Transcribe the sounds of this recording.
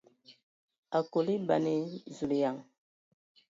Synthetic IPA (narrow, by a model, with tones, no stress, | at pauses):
a˨ko˨li˦ba̰˨ne˦zu˨li˨ja˨ŋ